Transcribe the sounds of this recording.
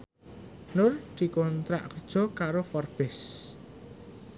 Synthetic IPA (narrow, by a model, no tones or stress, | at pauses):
nʊrd̪̥i̤kɔnt̪ɾa̰ʔkərd̥ʒ̥ɔ̤kaɾofɔrb̥ɪs